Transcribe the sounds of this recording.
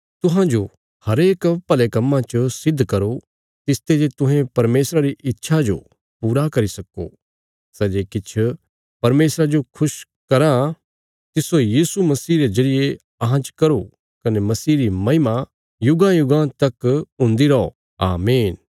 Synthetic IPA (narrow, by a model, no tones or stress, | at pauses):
t̪ʊɦãd͡ʒo | hɐɾeːkpɐlekɐmːãt͡ʃəsɪd̪ʱːkɐɾo | t̪ɪst̪ed͡ʒet̪ʊ̃ɦẽpɐɾmeːsɾaɾiʔɪtːʃʰad͡ʒo̰ | puːɾakɐɾisɐkːo̰ː | sɛːd͡ʒeːkɪt͡ʃʰ | pɐɾmeːsɾad͡ʒokʰʊʃ | kɐɾa | t̪ɪsojiːsumɐsiːɾed͡ʒɐɾɪje | ɐɦãt͡ʃkɐɾo | kɐnemɐsiːɾimɐɦɪma | jʊɡãjʊɡãːt̪ɐkʊ̃nd̪iɾɐo̰ | a̰ːmeːn